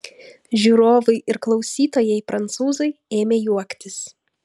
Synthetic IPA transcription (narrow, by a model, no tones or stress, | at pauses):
ʒʲuːɾoːʋɐɪʔɪɾklˠɒʊsʲiːt̪oːjɛɪpɾɐnt̪suːzɐɪeːmʲeːjuɔkt̪ʲɪs